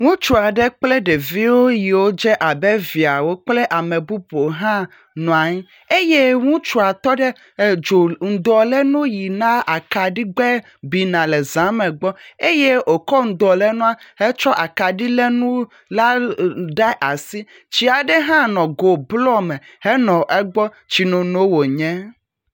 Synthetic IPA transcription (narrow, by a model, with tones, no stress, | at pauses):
ŋũ˦t͡ʃu˨a˨ɖɛ˦k͡ple˦ɖe˨vi˦wo˦ji˨wo˦d͡ʒɛ˦ʔa˨be˦vi˨a˨wo˦k͡ple˦ʔa˨me˨bu˦bo˨ɦã˦ | nɔ̃˨a˨ɲ˦ | e˦je˦ŋũ˦t͡ʃu˨a˨t̪ɔ˦ɖe˦˨ | d͡ʒo˨ŋ̩˨d̪ɔ˨le˦nũ˦ji˨nã˦a˨ka˨ɖi˦ɡ͡bɛ˦ | bi˨nã˨le˨zã˨˦mẽ˨ɡ͡bɔ˦e˦je˦o˨kɔ˦ŋ̩˨d̪ɔ˨le˦nɔ̃˦a˦he˦t͡ʃɔ˦ʔa˨ka˨ɖi˦le˦nũ˦ | la˦ɖɛ˦ʔa˨si˦ | t͡ɕi˦a˨ɖe˦ɦã˦nɔ̃˨ɡo˨blɔ˦me˨he˦nɔ̃˨ʔɛ˦ɡ͡bɔ˦ | t͡ɕi˨nõ˨no˦wo˨ɲɛ̃˦